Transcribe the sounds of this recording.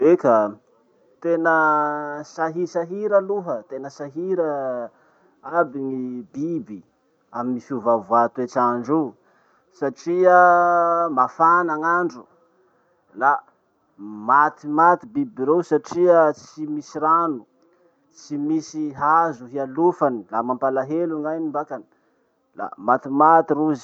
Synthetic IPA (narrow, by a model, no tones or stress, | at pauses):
ekə | t̪enə | saɦisaɦiɾəluɦət̪enəsaɦiɾə | abiŋibibi | aminisuvavuat̪et͡ʃaɳɖ͡ʐu | saʈ͡ʂiə | mafanaŋaɳɖ͡ʐu | la | mat̪imat̪ibibiɾewsaʈ͡ʂiət͡simisiɾanu | t͡simisiɦazuɦialufanilamampalaɦeluŋajnimbakani̥ | la̰mat̪imat̪iɾuz